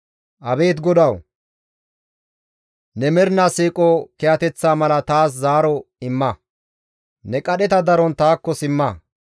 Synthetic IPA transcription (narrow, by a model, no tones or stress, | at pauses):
ʔɐbe̞ːt̪ɡɔd̪ɐw | nɛmɛɾnasiːkʼokɛjɐt̪ɛt͡sːaːmɐlɐt̪aːs̬zaːɾɔɪmːɐ | nɛkʼɐɗɛt̪ɐd̪ɐɾɔnt̪aːkːɔsɪmːɐ